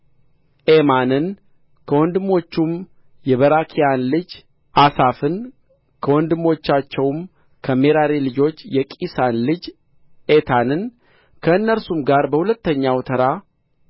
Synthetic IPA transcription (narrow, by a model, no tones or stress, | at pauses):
ʔemanɨn | kʰəwɔnd̪ɨmːo̞t͡ʃːum | jɛβəɾakʰijanlɨd͡ʒ | ʔasafɨn | kʰəwɔnd̪ɨmo̞t͡ʃːat͡ʃːɛwm | kʰəme̞ɾaɾelɨd͡ʒo̞t͡ʃːjɛkʼisanlɨd͡ʒ | et̪ʰanɨn | kʰəɨnːəɾsumɡaɾbəhulət̪ːəɲːawt̪ʰəɾa